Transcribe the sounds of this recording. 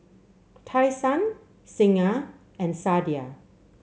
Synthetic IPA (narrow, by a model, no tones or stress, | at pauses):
tʰajsãn | sĩŋa | ɛ̃nsadia